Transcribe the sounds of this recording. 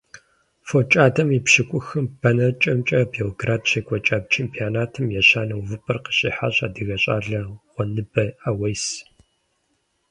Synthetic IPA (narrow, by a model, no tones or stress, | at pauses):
fot͡ʃʼaːdɐmipɕɪkʷʼʊxɨmbʰɐnɐt͡ʃʼɐmt͡ʃʼɐbeoɡraːdt͡ʃekʷʼɔt͡ʃʼaːb̚t͡ʃʰeːmpʰʼijaːnaːtʰɨmjɛɕaːnɐwvɨpʰʼɐrqə̥ɕʼḭːħa̰ːɕa̰ːdɨɣɐɕʼa̰ːɮɐʁʷɔnɨbɐaːwɐjs